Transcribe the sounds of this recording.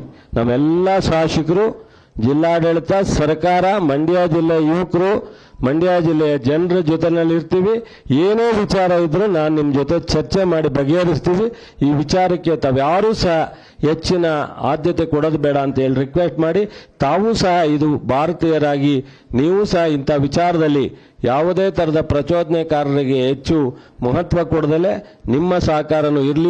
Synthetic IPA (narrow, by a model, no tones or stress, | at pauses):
na̰ːʋɛlːɐʃaːʂikɐɾu | d͡ʒilːaːɖeɭt̪ɐsɐɾɐkaːɾɐmɐɳɖijaːd͡ʒilːɛjɐiʋɐkɾu | mɐɳɖijaːd͡ʒilːɛjɐd͡ʒɛnɐɾɐd͡ʒɔt̪enɐlːiɾt̪iːʋi | eːneːʋit͡ʃaːɾɐid̪ɾunaːnunimːɐd͡ʒoːt̪e̞t͡ʃɐɾt͡ʃemaːɽibɐɡeɐɾist̪iːʋi | iːʋit͡ʃaːɾɐkːe̞t̪aːʋjaːɾuːsɐɦɐ | ɦet͡ʃːinɐa̰ːd̪jɐt̪ekɔɽod̪bɛːɽɐːnt̪ɐe̞ːɭiɾikʋesʈmaːɽit̪aːʋuːsɐɦɐid̪ubʱaːɾɐt̪iːjɐɾaːɡi | niːʋuːsɐɦɐint̪aʋit͡ʃaːɾɐd̪ɐlːi | jaːʋud̪e̞ːt̪ʰɐɾɐd̪ɐpɾɐt͡ʃoːd̪nɛkaːɾɐɾiɡe̞ɦet͡ʃːumɐɦɐt̪ʋɐkɔɽɐd̪ɐle̞ | nimːɐsɐɦɐkaːɾɐnuiɾli